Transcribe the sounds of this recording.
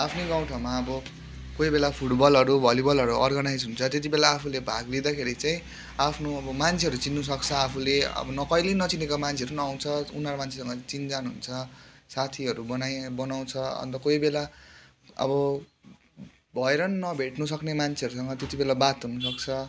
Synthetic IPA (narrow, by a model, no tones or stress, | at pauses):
apʰneɡãw̃ʈʰʌmaʌbʌ | kojbelapʰuʈbʌlʌɾubʱʌlibʌlʌɾuʔʌ̰rɡʌnajd͡zɦunt͡sʰʌt̪et̪̬ibelaːpʰulebʱaɡled̪akʰeɾit͡saĩ | apʰnoʌbʌmant͡sʰeɦʌɾut͡sinːus̬ʌkt͡sʰʌapʰuleʌ̰bʌnʌkʌjlenʌt͡sinekamant͡sʰeʌɾunʌaw̃t͡sʰʌunʌɾmant͡sʰe̥sʌŋɡʌt͡sind͡zanuɦunt͡sʰʌsat̪ʰiʌɾubʌnajbʌnaw̃t͡sʰʌʌ̰nt̪ʌkojbela | ʌ̰bʌ | bʱʌeɾʌnnʌbʱeʈnusʌknemant͡sʰeʌɾusʌŋɡʌt̪et̪ibelabat̪unusʌkt͡sʰʌ